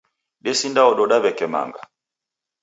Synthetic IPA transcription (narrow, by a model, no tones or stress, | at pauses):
ɗɛsindaɔɗɔɗaβɛkɛma̰ŋɡa̰